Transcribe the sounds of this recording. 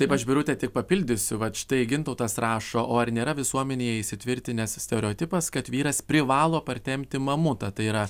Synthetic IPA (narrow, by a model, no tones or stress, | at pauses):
t̪ɐɪpɐʃbʲɪɾʊt̪ʲɛːt̪ʲɪk̚pɐpʲɪlʲd̪ʲʊsʲʊʋɐtʃʲɪ̥t̪ɐɪɡʲɪnt̪ɐʊt̪ɐsrɑːʃoːʔoːɐɾnʲeːɾɐʋʲɪsuɔmʲɛnʲeːjɛɪʃʲsʲɪt̪ʲʋʲɪɾʲt̪ʲɪnʲɛssʲt̪ʲɛɾʲɛoːt̪ʲɪpɐskɐt̪ʋʲiːɾɐspʲɾʲɪʋɑːlˠoːpɐrʲt̪ʲɛmʲt̪ʲɪmɐmʊt̪ɐt̪ɐɪiɾɐ